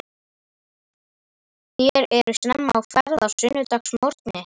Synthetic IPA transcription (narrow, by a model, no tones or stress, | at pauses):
θjɛɾɛɾʏ̥snɛmːa̰wkɛɾðaɾ̥sʏnʏt̪aksmɔɾ̥t̪nɪ